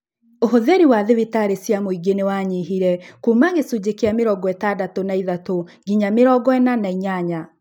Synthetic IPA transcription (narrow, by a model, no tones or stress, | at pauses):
oɦoðeɾiwaðewitaɾesjamoiɡenewaɲiɦiɾɛkumaɣesud͡ʑekeameɾɔɡɔɛtadatonaiðato | ɡiɲameɾɔɡɔɛnanaiɲaɲa